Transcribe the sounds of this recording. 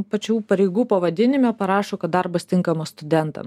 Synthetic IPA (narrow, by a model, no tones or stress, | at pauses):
pɐt͡ʃʲuːpɐɾʲɛɪɡuːpɐʋɐd̪ʲɪnʲɪmʲopɐɾɑːʃoːkɐt̪d̪ɐɾbɐst̪ʲɪŋkɐmosst̪ʊd̪ʲɛnt̪ɐ̰m